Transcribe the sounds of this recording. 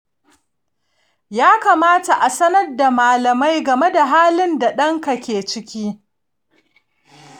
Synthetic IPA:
jaː˦kaː˨maː˦ta˨ʔa˨sɐ˦nɐ˦rda˨maː˨lɐ˨ma˦jɡɐ˨me˦da˨ɦaː˦lɪ˦nda˨ɗɐ˦ŋka˨kʲeː˨t͡ʃɪ˦kʲiː˦

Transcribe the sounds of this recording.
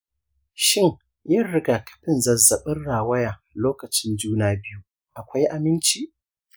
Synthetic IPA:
ʃɪ˦˨ŋ | jɐ˦ɽɪ˦ɡaː˨kɐ̥˦ɸɪ˨nzɐ˨zːɐ˨ɓɪ˦nɽaː˨wɐ˦jaː˨loː˦kɐ˨t͡ʃɪ˦nd͡ʒuː˦naː˦bɪ˦ju˦ | ʔa˨kʷa˦jʔa˨mɪ˦nt͡ʃiː˦ʔ

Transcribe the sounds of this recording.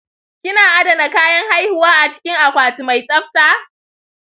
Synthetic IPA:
kʲɪ˦naː˨ʔa˦dɐ˨na˨kaː˦jɐ˦ŋha˦jhʊ˨waː˦ʔa˨t͡ʃɪ̥˦kʲɪ˦ŋʔa˨kʷaː˨tu˨ma˨jsʼɐ˦ɸtaː˦

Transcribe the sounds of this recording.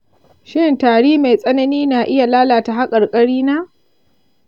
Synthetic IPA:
ʃɪ˦ntaː˨ɽiː˦ma˨jsʼɐ˦nɐ˦niː˦naː˨ʔɪ˦ja˨laː˦laː˨ta˨ɦa˦kʼɐ˨rkʼɐ˦ɽiː˦naː˦ʔ

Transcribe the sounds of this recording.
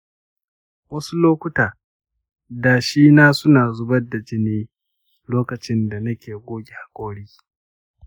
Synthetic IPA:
wɐ˦su˦loː˦kʷʊ˦taː˨ | daː˨ʃiː˦naː˦sʊ˦naː˨zʊ˦bɐ˦da˨d͡ʒɪ˦neː˦ | loː˦kɐ˨t͡ʃɪ˦nda˨nɐ˦kʲeː˨ɡʷoː˦ɡʲe˨ha˨kʷʼoː˦ɽiː˦

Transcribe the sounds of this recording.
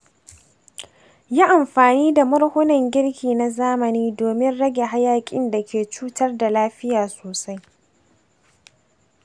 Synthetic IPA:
jaː˦ʔa˨mɸaː˨niː˦da˨mɐ˦rhʊ˦nɐ˨ŋɡʲɪ˦ɽkʲiː˨na˨zaː˦mɐ˨niː˦doː˨mɪ˦nɽɐ˦ɡʲe˨ɦa˦jaː˨kʲʼɪ̰˦nda˨kʲʰeː˨t͡ʃuː˦tɐ˦rda˨laː˦ɸɪ˦jaː˨soː˨sa˦j

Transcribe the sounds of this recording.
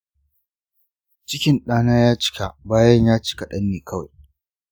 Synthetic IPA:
t͡ʃɪ˦kʲɪ˨nɗaː˦naː˦jaː˦t͡ʃɪ̥˦ka˨baː˦jɐ˦ɲjaː˦t͡ʃɪ̥˦ka˨ɗɐ˦nːeː˨kʰɐ˦wa̰˨j

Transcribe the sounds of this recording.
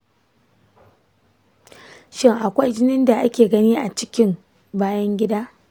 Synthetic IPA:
ʃɪ˦ŋʔa˨kʷa˦jd͡ʒɪ˦nɪ˦nda˨ʔa˦kʲeː˨ɡɐ˦niː˦ʔa˨t͡ʃɪ̥˦kʲɪ˦m | baː˦jɐ˦ŋɡʲɪ˦daː˦

